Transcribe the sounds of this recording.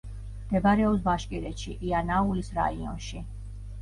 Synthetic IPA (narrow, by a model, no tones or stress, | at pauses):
md̪̥ɛbaɾɛɔs̬baʃkʼiɾɛʃiʔianaulisɾa̰iɔ̰nʃi